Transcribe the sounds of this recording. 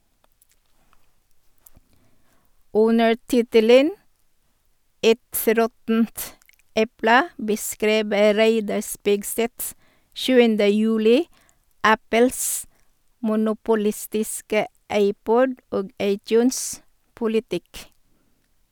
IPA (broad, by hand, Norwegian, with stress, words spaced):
ˈʉnəɾ ˈtɪtələn ˈɛt ˈɾɔtn̩t ˈɛplə bəˈskɾiːbə ˈɾæɪdɑɾ ˈspɪɡsɛt ˈʃʉːəndə ˈjʉːlɪ ˈæpəls mʊnʊpʊˈlɪstɪskə ˈɑɪˌpɔd ˈoːɡ ˈɑɪˌtjʉːns pʊlɪˈtɪk